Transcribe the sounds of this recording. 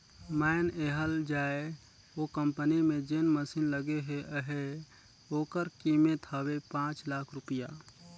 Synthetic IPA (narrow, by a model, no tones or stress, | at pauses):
maneɦəld͡ʒaːe | okə̃mpənimẽd͡ʒenməsinləɡeɦeʔəɦe | oːkəɾkimet̪ʰəwepãːt͡ʃlaːkʰɾʊpija